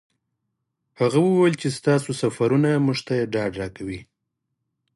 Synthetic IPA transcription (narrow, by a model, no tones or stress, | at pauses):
haɣawəwajlt͡ʃest̪ɑsosafaɾunamuʐt̪ajeɖɑɖɾɑkawi